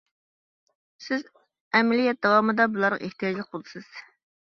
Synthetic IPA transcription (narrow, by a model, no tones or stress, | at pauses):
sɪz | ɛmɛlijɛt̪̚d̪ɑwɑːmɨd̪ɑbulˠɑɾʁɑ̰ʔeht̪ijɑd͡ʒlˠək̚bolˠd̪ɨsɨz̥